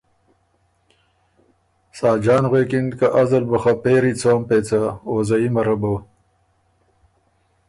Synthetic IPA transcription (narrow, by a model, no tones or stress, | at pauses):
saːd͡ʒaːnɣwekind̪kɐʔɐzɐlbɐxɐpeːɾit͡sʰoːmpeːt͡saoːzɐimɐɾɐbɐw